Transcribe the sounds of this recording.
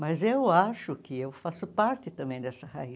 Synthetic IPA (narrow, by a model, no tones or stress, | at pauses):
mɐzewaʃʊkɪewfasʊpaɾt̪ɪt̪ɐ̃mbẽj̃d̪ɛsɐha̰i